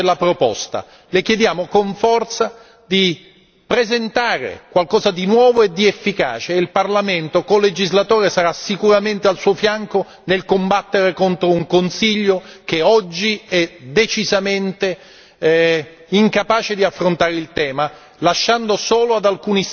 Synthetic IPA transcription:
lːapɾopɔ̰st̪a̰ | lekjed̪jaːmokoɱfɔrt̪sa | d̪i | pɾezent̪aːɾḛkwalkɔːzad̪inwɔːvoed̪ːiefːika̰ːt͡ʃeilparlament̪okoled͡ʒizlat̪oːɾesaɾasikuɾament̪ealsuːofjaŋko | nelkombat̪ːeɾekont̪ɾouŋkonsiʎːok̟eɔd͡ʒːiɛd̪et͡ʃizament̪e | iŋkapaːt͡ʃed̪iafːɾont̪aːɾeilt̪ɛːma | laʃːand̪osoːload̪alkuːni

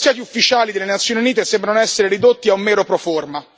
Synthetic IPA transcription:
sjaːt̪iufːit͡ʃaːlid̪elenat̪sːjoːniuniːt̪esɛmbɾanoɛsːeɾeɾid̪ot̪ːiaumːɛːɾopɾoforma

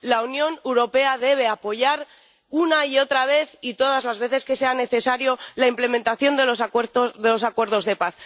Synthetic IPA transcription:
launjõ̞newɾo̞pe̞aðe̞β̞e̞apo̞ʝaɾ | unaio̞t̪ɾaβ̞e̞θit̪o̞ð̞azlazβe̞θe̞ske̞se̞ane̞θe̞saɾjo̞laimple̞mẽnt̪aθjo̞nd̪elosoðelo̞sakwe̞ɾð̞o̞zðe̞paθ

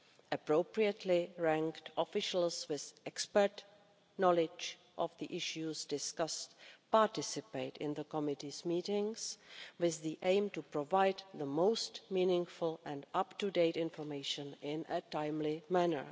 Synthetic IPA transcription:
ʔəpɹoʊpɹiətʰlɪɹæ̃ŋktɔfɪʃl̩ˠswɪðʔɛkspəɹt | nɔlɪd͡ʒ | ʔɔvðiʔɪʃjuzdɪskastpaɹtɪsɪpeɪtɪ̰̃nðəkɔmɪtizmiːtɪ̃ŋswɪððiʔẽɪ̃mtupɹɔvaɪdðəmoʊstmĩːnɪ̃ŋfʊlˠɛ̃ndaptudeɪtɪ̃nfɔɹmeɪʃə̃nɪ̃nətãɪ̃mlɪmænə̰˞

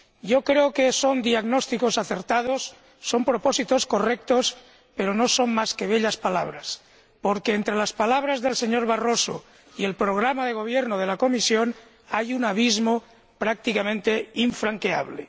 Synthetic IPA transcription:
ɟ͡ʝokɾeokesond̪iaɣnost̪ikosaθeɾt̪að̞osː | o̞mpɾoposit̪o̞sko̞rek̚t̪os | pe̞ɾonoso̞ŋmaskeβ̞eʎaspala̰β̞ɾas | poɾkeːnt̪ɾelaspalaβ̞ɾazðelse̞ɲoɾβaroso̰ | ie̞lpɾoɣ̞ɾamaðe̞ɣ̞o̞β̞jeɾnoð̞e̞lako̞misjon | ajunaβ̞izmo | pɾak̚t̪ikamẽnt̪eiɱfɾaŋkea̰β̞lḛ

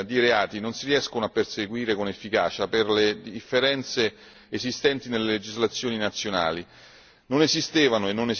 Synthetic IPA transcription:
d̪iɾeaːt̪inonsiɾiɛskonoapːerseɡwiːɾekonefːika̰ːt͡ʃaperled̪iifːeɾɛnt̪se | ezist̪ɛnt̪inelːeled͡ʒizlat̪sːjoːninat̪sːjona̰ːli | nonezist̪eːvanoenːone

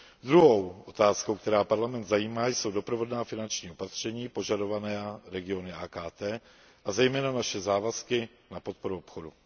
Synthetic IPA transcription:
d̪ɾuɦo̞wʔot̪aːsko̞wk̚t̪ɛɾaːpaɾlamɛnt̪zajiːmaːjso̞wdo̞pɾovo̞dnaːfɪnant͡ʃɲiːo̞pat̪r̝̥ɛɲiːpo̞ʒado̞vanɛːɾɛɡɪo̞nɪaːkaːt̪ɛː | ʔazɛjmɛːnanaʃɛzaːvaskɪ | napo̞t̪̚po̞ɾuopxo̞du

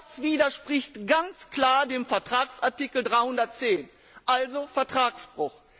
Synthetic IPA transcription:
sv̥iːdɐʃpʁ̥ɪçtɡ̥ant͡skl̥aːɐdeːmfɛɐtʁ̥aːksʔaɐtikl̩dʁaɪhʊndɐt̚t͡seːn | ʔalzofɛɐtʁ̥aːksb̥ʁʊx

